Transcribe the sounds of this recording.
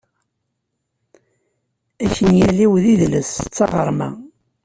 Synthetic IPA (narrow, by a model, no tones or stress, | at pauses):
æçənjæliwðiðləst͡sːɑʁəɾˤmæ̰